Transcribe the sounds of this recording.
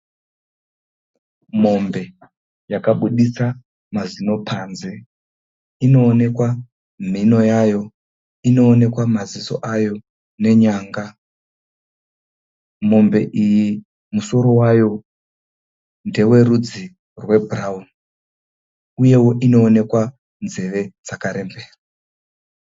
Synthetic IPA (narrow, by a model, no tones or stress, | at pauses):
mo̞mbe̞ | jakaɓuɗisa | mazino̞pʰanze̞ | ino̞ːne̞kwa | m̤ino̞jajo̞ | ino̞ːne̞kwamaziso̞̰ʔajo̞ | ne̞ɲaːŋɡa | m̤o̞mbe̞ʔiji | muso̞ɾo̞wajo̞ | nde̞we̞ɾud͡zi | rwe̞bʱuraun | uje̞wo̞ʔino̞ːne̞kwa | nze̞ʋe̞d͡zakaɾe̞mbeːra